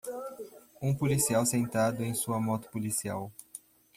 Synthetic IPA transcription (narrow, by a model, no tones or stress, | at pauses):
ũpolisiawsẽnt̪ad̪ʊẽj̃suɐmɔt̪ʊ̥polisia̰w